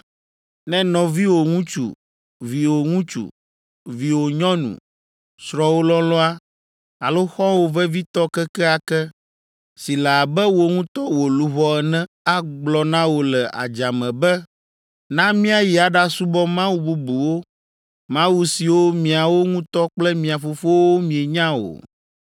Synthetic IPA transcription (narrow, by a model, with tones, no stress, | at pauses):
nɛ̃˦nɔ̃˨vi˦wo˨ŋũ˦t͡ʃṵ˨ | vi˨wo˨ŋũ˦t͡ʃṵ˨ | vi˨wo˨ɲɔ̃˦nṵ̃˨ | sɾɔ˨wo˦lɔ˦lɔ˦a˦ | a˨lo˦xɔ̃˦wo˨vɛ˦vi˦t̪ɔ˦kɛ˦kɛ˦a˨kɛ˦ | si˨la˨a˨bɛ˦wo˨ŋũ˦t̪ɔ˦wo˨lu˦βɔ˦ɛ˨nɛ̃˦ | a˦ɡ͡blɔ˨nã˦wo˨lɛ˨ʔa̰˨d͡ʒa˨mɛ̃˨bɛ˦ | nã˦mĩ˦a˨ji˨a˨ɖa˦su˦bɔ˦mã˦wu˦bu˦bu˨wo˦ | mã˦wu˨si˨wo˦mĩ˨a˨wo˦ŋũ˦t̪ɔ˦k͡plɛ˦mĩ˨a˨fo˨fo˦wo˦mĩ˨e˨ɲã˦o̰˨